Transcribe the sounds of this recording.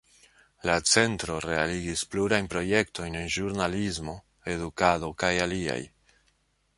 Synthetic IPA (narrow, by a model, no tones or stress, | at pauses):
lat͡se̞ntɾo̞ɾe̞aliɡispluɾajnpɾo̞je̞kto̞jnenʒuɾnalizmo̞ | e̞dukado̞kajalia̰j